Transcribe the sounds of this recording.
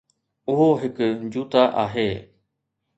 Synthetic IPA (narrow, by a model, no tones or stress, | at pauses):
ʊɦoɦɪkd͡ʑuːt̪aʔaːɦeː